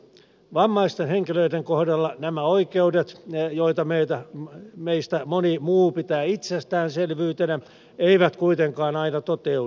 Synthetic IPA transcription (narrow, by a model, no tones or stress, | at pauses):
ʋɑmːɑist̪enheŋkiløideŋkohdɑlːɑnæmæoikeudet̪joit̪ɑmeit̪æmeist̪æmonimuːpit̪æːit̪sest̪æːnselʋyːt̪enæ | eiʋæt̪kuit̪eŋkɑːnɑinɑt̪ot̪eu